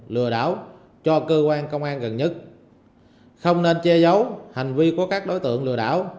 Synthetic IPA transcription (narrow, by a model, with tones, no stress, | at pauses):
lɨ̰˧˩əɗa̰ː˧˥w | t͡ɕɔ˧kəː˧kwaː˧nkə˧wŋ͡mʔaː˧nɣə˨˩nɲə˦˥t̚ | xə˧wŋ͡mne˧nt͡ɕɛ˧zə˨˦wha˨˩jŋ̟vi˧ku˧˩əkaː˦˥k̚ɗo˨˦jt̪ɨ̰˧˨əŋlɨ̰˧˩əɗa̰ː˧˥˨w